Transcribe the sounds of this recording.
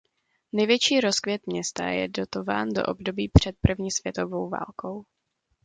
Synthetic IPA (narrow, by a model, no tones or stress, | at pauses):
nɛjvjɛt͡ʃiːɾo̞skvjɛt̪mɲɛst̪a̰jɛ̰do̞t̪o̞va̰ːndo̞̰ʔobdo̞biːpr̝̥ɛt̪̚pr̩vɲiːsv̥jɛt̪o̞vo̞wva̰ːlkʰo̞w